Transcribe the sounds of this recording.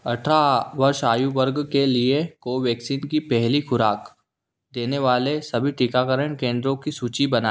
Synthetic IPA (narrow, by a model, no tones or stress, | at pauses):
ɐʈʰaʋɐɾʃaːjuʋɐɾɡkeliekoʋjɛːksiːnkipɛɦlixʊɾaːk | d̪eːneʋaːlesɐbʱiʈɪkakəɾəɳ̃kẽːnd̪ɾõkisuːt͡ʃibɐna